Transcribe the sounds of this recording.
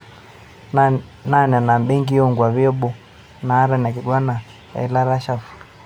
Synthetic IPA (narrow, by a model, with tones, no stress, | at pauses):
na˦˨n˨a˨na˨mbɛ˦ŋɡi˦jɔ˦ŋɡwa˨βi˦ɔ˦ɓɔ˨ | naː˨˦ɾa˦n˨a˨ki˨ɡwa˦na˨ | ja̰˨i˨˦la˦ɾa˦ʃa˨fu˨l